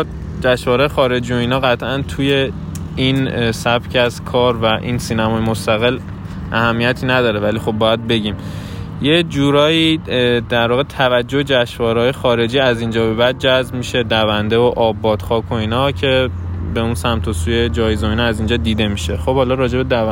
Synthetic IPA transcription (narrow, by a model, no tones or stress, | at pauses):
d͡ʒæʃvɒːɾjexɒːɾe̞d͡ʒiːo̞iːnɒːɣæt̪ʰʔænt̪ʰuːje̞ | insæbcʰæzkʰɒːɾvæʔḭːnsiːnæmɒːjemost̪æɣe̞l | ʔæhæmːijæt̪ʰiːnæd̪ɒːɾevælixo̞b̚ːɒːjæd̪̚be̞ɟiːm | je̞d͡ʒuːɾɒːjiːd̪̥æɾvɒːɣe̞t̪ʰævæd͡ʒːo̞hed͡ʒæʃvɒːɾehɒːjexɒːɾe̞d͡ʒiːæzind͡ʒɒːbe̞βæd̪̚d͡ʒæzbmiʃe̞d̪ævænd̪evoʔɒːbːɒːd̪̥xɒːkʰo̞iːnɒːcʰe̞be̞unsæmt̪ʰo̞suːje̞d͡ʒɒːjezoiːnɒæziːnd͡ʒɒːd̪iːd̪e̞miːʃe̞̰xo̞b̥hɒːlɒːɾɒːd͡ʒe̞bed̪æ